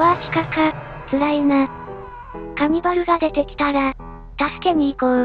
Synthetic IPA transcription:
βakʲi̥kaka | t͡sɨɾaina | kamʲibaɾɯ̟ɡad̪e̞t̪e̞kʲi̥t̪aɾa | t̪asɨ̥ke̞ɲ̟iːko

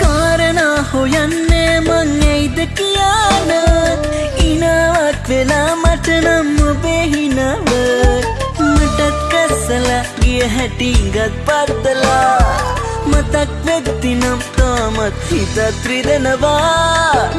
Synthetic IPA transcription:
kaːɾɐnɐhojɐnːemɐŋːɐjd̪ɐkijaːnɐ | inɐʋɐkʋelɐmɐʈɐnɐmːɐbeɦinɐʋɐ | mɐʈɐt̪̚kɐɾsɐlɐ | ɡiɐɦɐʈiŋɡɐt̪̚pɐɾt̪ɐla | mɐt̪ɐkʋek̚t̪inɐmt̪amɐt̪ɾit̪ɐt̪ɾid̪ɐnɐba

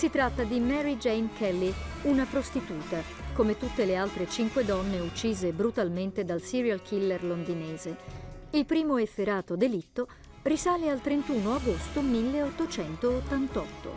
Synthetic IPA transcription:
sit̪ɾat̪ːad̪imɛɾid͡ʒɛjnkʰɛlːiunapɾost̪it̪uːt̪a | komet̪ut̪ːelealt̪ɾet͡ʃiŋkwed̪ɔnːeut͡ʃːiːzebɾut̪alment̪ed̪alsiɾjalkʰilːerlond̪ineːzeilpɾiːmoefːeɾaːt̪od̪elit̪ːo | risaːlealt̪ɾent̪uːnoaɡost̪omilːeot̪ːot͡ʃɛnt̪oːt̪ːant̪ɔt̪ːo̰

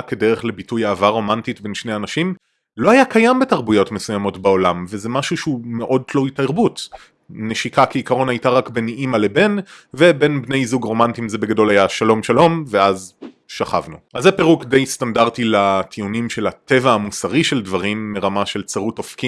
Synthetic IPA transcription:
kedeʁeχle̞bitujaːvaʁo̞mantitbe̞nʃneanaʃim | lo̞ajakʰajambe̞taʁbujo̞tme̞sujamo̞tbao̞lamvezemaʃuʃeumeʔo̞d̚tloitaiʁbut | neʃikakeikaʁo̞najtaʁakbeniʔimalebe̞nvebe̞nbne̞jzuɡʁo̞mantimzebe̞ɡado̞lajaʃalo̞mʃalo̞mveaz | ʃaχavnuʔazːepeʁukde̞jstandaʁtilatʰiunimʃe̞late̞vaːmusaʁiʃe̞ldvaʁimːeʁamaʃe̞lt͡saʁutofki

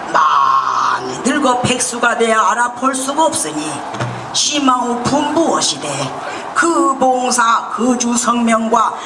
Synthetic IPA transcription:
ma̰ | ninɯɭɡʌpʰek̚s͈uɡane̞jaːɾapʰoɭs͈uɡaʌp̚s͈ɯɲi | ɕʰimaopumbuʌɕʰide | kɯboŋsʰakɯd͡ʑusʰʌŋmjʌŋɡwa

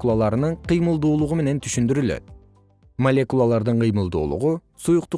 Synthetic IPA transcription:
kulˠalˠɑɾənəɴqʰijməlˠd̪uːlˠʊʁəme̞ne̞nt̪ʰʏʃɪnd̪ɪɾyle̞̰t̪ | molʲe̞kulˠalˠɑɾd̪əɴqʰəjməlˠd̪ṵːlˠʊ̰ʁʊ | sujʊq̚t̪ʊ

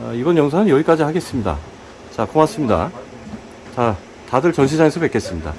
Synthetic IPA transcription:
aibʌnjʌŋsʰanɯnjʌɡik͈ad͡ʑiɦaɡe̞s͈ɯmɲida̰ | t͡ɕakomas͈ɯmɲida̰ | t͡ɕa | tadɯɭt͡ɕʌnɕ̬ʰid͡ʑaŋe̞sʰʌpe̞k͈e̞s͈ɯmɲida̰

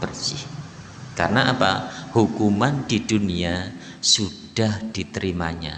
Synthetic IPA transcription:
b̥ərsɪh | karnaʔapa̰hukumandidunia | sud̥ahd̥it̪əɾimaɲa̰

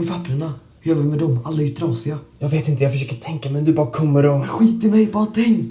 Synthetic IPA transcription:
pʰapːɾəɳa | jøːvəɾmɛd̪ɔmalːaɪt̪ʰɾɑːsɪajɑːɡveːt̪ɪnt̪əjɑɡfœʂøːkəʈʰɛŋkamɛnd̪ɵbɑːɾakʰɔmːəɾɔɧiːt̪ːɪmɛjbɑːɾat̪ʰɛŋt̪

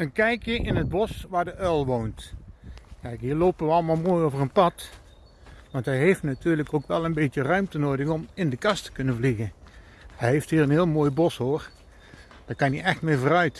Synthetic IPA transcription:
ənkɛjkjəʔɪnəd̚bɔsʋaːɹdəʔœlˠʋownt | kɛjkɦiːɹloːpəʋəɑlˠmaːlˠmoːjovərənpɑt | ʋɑntɦɛjɦejftnatyːɹləkoːkʋɛlˠənbetjərœɥmtənoːdəɣɔmɪndəkɑstə̥kɵnənvliɣən | hɛjɦefthiːrənɦɪːlˠmoːjbɔshoːr | d̥ɑkɑniʔɛxtmɪːɹvoːɾœɥt

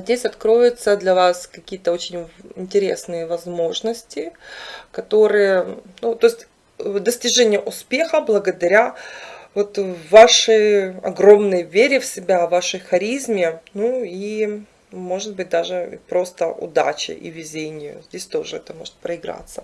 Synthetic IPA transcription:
zʲdʲesʲɐt̪kɾo̞jʊt̪səd̪lʲɐvaskɐkʲijət̪əo̞t͡ɕɪnʲɪnʲtʲɪɾʲḛsnɨjəvɐzmo̞ʐnəsʲtʲɪkɐt̪o̞ɾɨjənut̪oɪsʲtʲ | d̪əsʲtʲɪʐɛnʲɪjəʔʊspʲe̞xəblˠəɡəd̪ɐɾʲavo̞t̪vaʂəjɐ̰ɡɾo̞mnəjvʲeɾʲɪfsʲɪbʲavaʂəjxɐɾʲizmʲɪnui | mo̞ʐɨt̪̚bɨt̚ʲd̪aʐɨḭpɾo̞st̪əʔʊ̰d̪a̰t͡ɕɪ̰ʔḭvʲɪzʲenʲɪjʊ̰zʲdʲesʲt̪o̞ʐɨɛt̪əmo̞̰ʐɨ̥t̪̚pɾəɪɡɾa̰t̪sːə

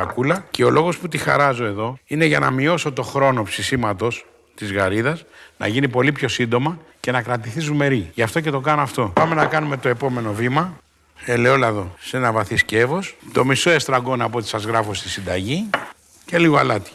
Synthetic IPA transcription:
ɐ̰kulɐce̞o̞loɣo̞sput̪ixɐ̰ɾɐzo̞e̞ðo̞ine̞ʝɐnɐ̰mio̞so̞t̪o̞xɾo̞no̞psisimɐt̪o̞s | t̪izɣɐɾiðɐsnɐ̰ʝinipo̞lipço̞sind̪o̞mɐce̞nɐkɾɐt̪iθizume̞ɾiʝɐft̪o̞ce̞t̪o̞kɐnoɐft̪o̞pɐme̞nɐkɐnume̞t̪o̞e̞po̞me̞no̞vimɐ | ele̞o̞lɐðo̞se̞nɐvɐθisce̞vo̞st̪o̞miso̞e̞st̪ɾɐɡo̞nɐpot̪isɐzɣɾɐfost̪isind̪ɐʝi | ce̞liɣo̞ɐlɐt̪i̥

